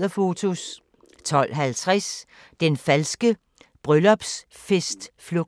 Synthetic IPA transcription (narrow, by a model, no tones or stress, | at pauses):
ɐfo̝t͡sʰo̝s | t͡sʰɒ̽l̰ɦælt͡sʰʁas | d̥enfælsɡ̥ə | b̥ʁœlɒ̽b̥s | fesd̥floɡ̥̚